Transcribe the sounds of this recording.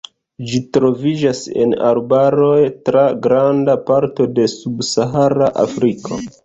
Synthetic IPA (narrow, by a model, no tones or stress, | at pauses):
d͡ʒitɾo̞vid͡ʒase̞̰na̰ɾbaɾo̞jtɾaɡɾandapaɾto̞de̞subsaɦaɾaʔa̰fɾikʰo̞̰